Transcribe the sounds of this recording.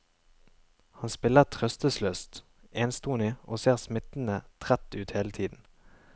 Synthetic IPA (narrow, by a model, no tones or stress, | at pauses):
hɑnspɪləʁt̪ʰʁœst̪əsløːst̪ | ʔeːnst̪uːnɪʔoːseːʁsmɪt̪n̩ət̪ʰʁæt̪ːʉːt̪heːlət̪ʰiːd̪n̩